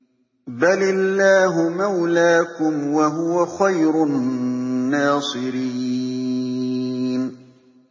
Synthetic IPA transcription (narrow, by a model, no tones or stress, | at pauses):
balɪlːaːɦʊmawlaːkʊmwaɦʊwaxajɾʊnː | aːsˤɨɾiː | n